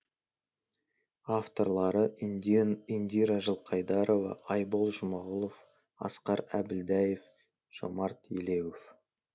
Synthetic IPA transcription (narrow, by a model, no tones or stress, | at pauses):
aft̪o̞ɾlˠɑɾə | ind̪iɾaʒəlˠqʰɑjd̪ɑɾo̞vɑ̰ʔːjbolˠʒʊmɑʁəlˠo̞f | ɑ̰sqɑɾæbɪld̪æje̞f | ʒ̥o̰mɑɾt̪jelewof